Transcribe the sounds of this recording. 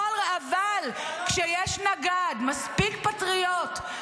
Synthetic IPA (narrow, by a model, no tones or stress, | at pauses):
lavalkʃejɛʃnaɡad̪maspikpat̪ʁijot̪